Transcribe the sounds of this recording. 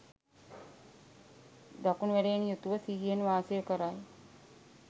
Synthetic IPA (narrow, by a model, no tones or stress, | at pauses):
d̪akunuʋæɾeːnijut̪uʋəsiɦijenʋaːsijəkəɾaj